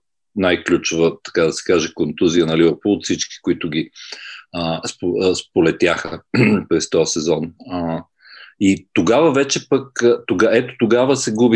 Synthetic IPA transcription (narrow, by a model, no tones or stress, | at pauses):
najklʲut͡ʃʊvət̪ɐ̥kad̪ɐsɛ̥kaʒɛkont̪uziənɐlivɛɾpɔlˠʊt̪fsit͡ʃki̥kʊit̪ʊɡ̟ʲi | əspospolɛt̪ʲjaxəpɾɛst̪ɔɐsɛzɔnə | it̪oɡavəvɛt͡ʃɛpəkt̪oɡaɛt̪o̥t̪oɡavəsɛɡubi